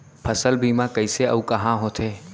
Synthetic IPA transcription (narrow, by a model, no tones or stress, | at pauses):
pʰɐsəlbʱiːmãkɐiseɐukɐɦãɦoːt̪ʰeː